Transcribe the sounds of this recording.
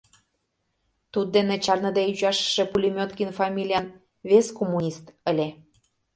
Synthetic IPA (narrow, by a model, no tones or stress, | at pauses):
t̪ud̪̚ːenet͡ɕɑrnə̆d̪eyʒɑʃə̥ʃe̽pulʲimʲot̪kinfɑmʲilʲijɑn | βeskomːunʲist̪ə̆lʲe